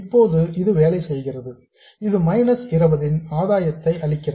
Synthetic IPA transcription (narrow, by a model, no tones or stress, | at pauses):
ɪpːoːðɯɪðɯʋeːlɐɪsɛjɣɪrɐðɯ | ɪðɯmɐɪnɐsɪrɐbɐðɪnaːðaːjɐt̪ːɐɪʔɐɭɪkːɪr